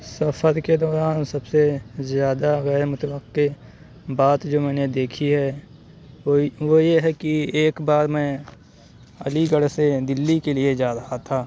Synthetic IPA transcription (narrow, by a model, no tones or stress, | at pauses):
sɐfəɾked̪ɔːɾaːnsɐbsezjaːd̪aɣɛːɾmʊt̪wəqːe | baːt̪d͡ʒoːmɛ̃ːned̪eːkʰiɦɛ | ʋojeɦɛkieːkbaːɾmɛ̃ | ɐ̰liɡəɽsed̪ɪlːikelied͡ʒaːɾɐɦat̪ʰaː